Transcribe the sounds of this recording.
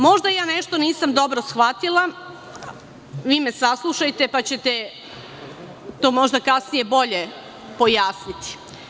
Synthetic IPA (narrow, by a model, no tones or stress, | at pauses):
mo̞ʒd̪ajaːneʃt̪o̞niːsamd̪o̞bɾosxʋat̪ilˠa | ʋiːmesaslˠuʃajt̪e̞pat͡ɕe̞t̪e | t̪o̞ːmo̞ʒd̪akasnijebo̞ʎe | po̞jaːsnit̪i̥